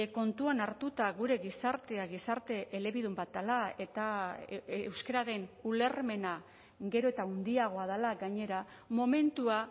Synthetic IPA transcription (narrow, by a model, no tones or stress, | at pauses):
ko̞nt̪uanaɾt̪ut̪aɣuɾe̞ɣisaɾt̪e̞aɣisaɾt̪e̞ʔele̞βiðumbat̪alae̞t̪a | ewskeɾaɾe̞nule̞ɾme̞na | ɡe̞ɾo̞et̪aund̪iaɣ̞o̞aðalaɡaɲe̞ɾa | mo̞me̞nt̪ua